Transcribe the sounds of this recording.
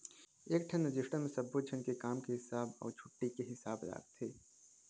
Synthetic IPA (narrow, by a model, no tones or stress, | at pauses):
eːk̚ʈʰɐnɪd͡ʒɪʃʈəmesɐbːut̪̚t͡ʃʰɐnkekaːmkeɦɪsaːbɔ̰ːɾt͡ʃʰʊʈːikeɦɪsaːbɾa̰ːkt̪ʰːeː